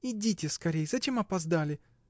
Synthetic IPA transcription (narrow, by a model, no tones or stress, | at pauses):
idʲitʲɪskɐɾʲejzɐt͡ɕʲemɐpɐzd̪alʲɪ